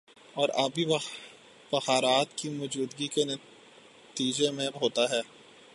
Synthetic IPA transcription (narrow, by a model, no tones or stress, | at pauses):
ɔːɾabʱi | bɐxaːɾaːt̪kimɔːd͡ʒuːd̪ɡikenɐ | t̪iːd͡ʒemẽbɦoːt̪aɦɛː